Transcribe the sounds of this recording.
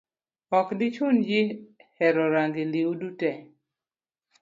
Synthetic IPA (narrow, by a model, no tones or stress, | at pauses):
ɔkdɪt͡ʃʊnd͡ʒɪhɛɾɔɾaŋɡiliudutɛ